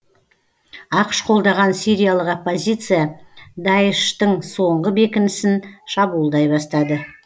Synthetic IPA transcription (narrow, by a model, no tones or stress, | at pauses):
ɑqʃqʰo̞lˠd̪ɑʁɑnsʲiɾʲijalˠəqopːozʲijt̪sɨjad̪ɑjʃt̪əɴso̞ɴʁəbe̞kʲɪnɪsɪnʃɑbuːlˠd̪ɑjbɑst̪ɑd̪ə